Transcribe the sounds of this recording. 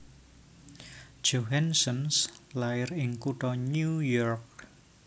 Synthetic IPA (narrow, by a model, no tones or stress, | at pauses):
d̥d͡ʒ̥oɦɛnsənslaɪɾɪŋkuʈɔnujɔrk̚